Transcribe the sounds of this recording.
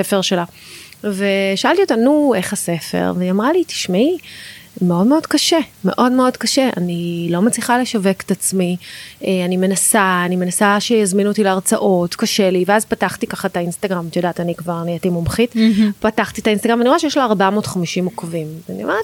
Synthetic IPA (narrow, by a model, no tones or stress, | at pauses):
sefeʁʃela | ve̞ʃaaltiot̪anue̞χase̞fḛʁvniamʁaliti̥ʃmi | meo̞dme̞o̞dkaʃeme̞̰ʔo̞dme̞o̞dkaʃe̞a̰nilo̞mat͡sliχale̞ʃaveke̥t̪at͡smieanime̞nasaːnime̞nasaʃejazminot̪ileaʁt͡saʔo̞tkaʃe̞liveazpataχt̪ikaχatainst̪aɡʁamtijodaːt̪anikvaʁaniatimomχitpataχt̪it̪ainst̪aɡʁamvaniʁoeʃejɛʃ̬laːʁbamo̞ːtχamiʃimokavimvania̰met